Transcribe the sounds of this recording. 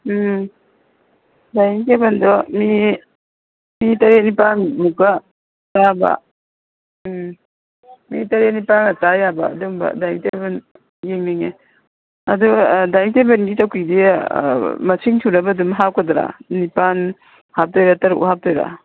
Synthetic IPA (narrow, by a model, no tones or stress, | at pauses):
dajnitebandɔmi | mitɐɾenipanmuka | taba̰ | mitɐɾenipanɐtajaba̰ːduŋbɐ̰dajnteben | jeŋniŋe | ɐdudajtebenɡitawkʰidi | mɐsʰiŋtʰuɾɐbɐdumɦawkʰadɾa̰nipan | hap̚tɔjɾatɐɾṵʔhap̚tɔjɾa̰